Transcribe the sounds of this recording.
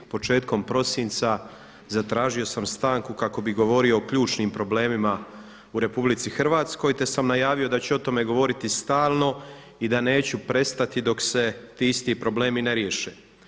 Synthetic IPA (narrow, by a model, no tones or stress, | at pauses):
po̞t͡ʃe̞ːt̪ko̞mpɾo̞sint̪sa | zat̪ɾaːʒio̞samst̪aːŋkukako̞biɣɡo̞ʋo̞ɾio̞ːkʎuːt͡ʃniːmpɾo̞ble̞ːmima | uɾe̞publit̪sixrʋaːt̪sko̞jt̪e̞samnajaːʋio̞d̪at͡ɕɛo̞t̪o̞me̞ɡo̞ʋo̞ɾit̪ist̪aːlˠno̞ | id̪ane̞ːt͡ɕupɾe̞st̪at̪id̪o̞kse̞t̪iːist̪ipɾo̞ble̞ːmine̞ɾje̞ʃeː